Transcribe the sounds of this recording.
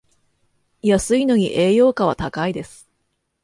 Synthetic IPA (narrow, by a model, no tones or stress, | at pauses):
jasɨino̞ɲ̟iʔe̞ːjo̞ːkaβ̞at̪akaid̪e̞sɨ̥